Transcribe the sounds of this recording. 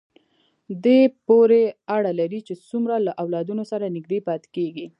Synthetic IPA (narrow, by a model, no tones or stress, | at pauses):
d̪epoɾeaɽalaɾit͡ʃet͡sumɾalaʔawlɑd̪unosaɾanɪɡ̚d̪epɑt̪keɡi